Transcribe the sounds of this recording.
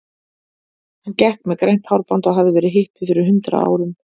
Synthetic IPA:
hancɛhkmɛðkɾejn̥t̪hawɾpant̪ɔɣɦavðɪvɛːɾɪɦɪhpɪ̥fɪɾɪɾɦʏnt̪ɾa̰a̰ːwɾʏm

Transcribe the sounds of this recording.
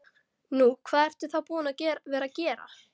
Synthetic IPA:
nukʰv̥aːðɛr̥t̪ʏ̥θawpuːðʏnacɛːɾvɛːɾacɛːɾa̰

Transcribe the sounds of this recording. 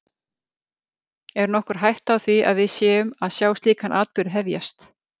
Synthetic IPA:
ɛɾnɔhkʏɾ̥ɦajht̪awθvia̰ðvɪðsjɛːʏmaðsjaːwst̪liːkanʔaːt̪̚pʏɾɦɛvja̰st̪

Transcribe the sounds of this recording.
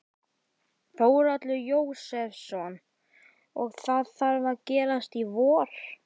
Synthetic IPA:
foːwɾat̪lʏjoːwsɛfsɔn | ɔɣθaðθaɾvaɾcɛːɾast̪ivɔːɾ̥

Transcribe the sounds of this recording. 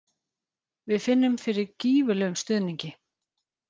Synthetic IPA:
vɪðfɪnːʏmfɪɾɪɾciːvʏlœːɣʏmst̪ʏːðniɲcɪ

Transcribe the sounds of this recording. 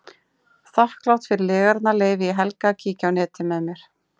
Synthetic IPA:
θahklawht̪fɪɾɪlɪːɣaɾt̪naleːjvɪiɦɛlkacʰiːcawnɛːt̪ɪmɛðmjɛɾ̥

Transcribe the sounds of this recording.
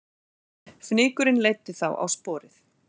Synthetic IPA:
fnɪːkʏɾɪnleːjt̪ɪθawʔa̰wspɔːɾɪθ

